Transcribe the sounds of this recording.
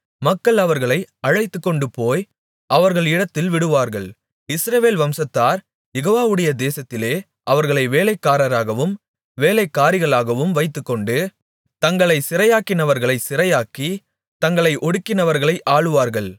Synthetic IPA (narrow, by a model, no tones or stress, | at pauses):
mɐkːɐɭɐʋɐɾɣɐɭɐɪɐɻɐɪt̪ːɯkːɔɳɖɯpoːj | ɐʋɐɾɣɐɭɪɽɐt̪ːɪlʋɪɽɯʋaːɾɣɐɭ | ɪsɾɐʋeːlʋɐmsɐt̪ːaːɾ | jɛɣoːʋaːʋɯɽɐjɐd̪eːsɐt̪ːɪleː | ʔɐʋɐɾɣɐɭɐɪʋeːlɐɪkːaːɾɐɾaːɣɐʋɯm | ʋeːlɐɪkːaːɾɪɣɐɭaːɣɐʋɯmʋɐɪt̪ːɯkːɔɳɖɯ | t̪ɐŋɡɐɭɐɪsɪɾɐjaːkɪnɐʋɐɾɣɐɭɐɪsɪɾɐjaːki | t̪ɐŋɡɐɭɐɪʔɔɽɯkːɪnɐʋɐɾɣɐɭɐɪʔaːɭɯʋaːɾɣɐɭ